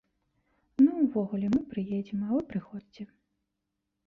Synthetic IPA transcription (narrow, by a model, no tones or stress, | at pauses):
nuwvɔɣulʲɛmɨpɾɨjed͡zʲɛmɐvɨpɾɨxɔd͡zʲit͡sʲɛ